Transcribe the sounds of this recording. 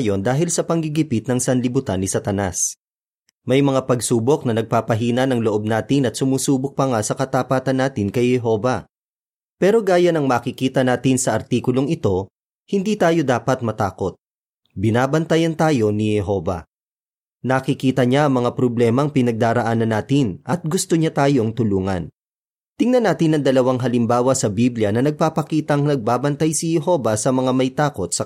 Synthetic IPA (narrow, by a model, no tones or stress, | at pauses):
jo̞nd̪aːɦɪlsɐpɐŋɡɪɡɪpɪt̪̚nɐŋsɐnlɪbʊt̪anːɪsɐt̪ɐnas | mɐjmɐŋapɐɡsuːbo̞k̚nɐnɐɡ̚paːpɐɦiːnɐnɐŋloʔo̞b̚naːt̪ɪnɐt̪sʊmuːsuːbok̚pɐŋasɐkɐt̪apaːt̪ɐnːaːt̪ɪnkɐjhɛɦo̞ːvɐ | pɛːɾo̞ɡaːjɐnɐŋmaːkɪkiːt̪ɐnaːt̪ɪnsɐʔɐɾt̪iːkʊlo̞ŋɪt̪o̞ | hɪnd̪iːt̪aːjo̞d̪aːpɐt̪̚mɐt̪aːko̞t̪̚ | bɪnaːbɐnt̪ɐjɐnt̪aːjo̞nihɛɦo̞ːvɐ̰ | nɐkɪkiːt̪ɐɲaʔɐŋmɐŋapɾoblɛːmɐŋpɪnɐɡ̚d̪aːɾɐʔaːnɐnaːt̪ɪnʔɐt̪̚ɡʊst̪oɲat̪aːjo̞ŋt̪ʊluːŋɐ̰n | t̪ɪŋnɐnaːt̪ɪnːɐŋd̪ɐlɐwaŋɦɐlɪmbaːwɐsɐbibljɐnɐnɐɡ̚paːpɐkiːt̪ɐŋnɐɡ̚baːbɐnt̪ajsɪhɛɦo̞vɐsɐmɐŋamɐjt̪aːko̞t̪̚sɐ